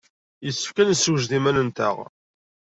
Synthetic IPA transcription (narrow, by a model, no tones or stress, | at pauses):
jəsːə̥fkænəsuʒðimænənt̪ə̰ʁ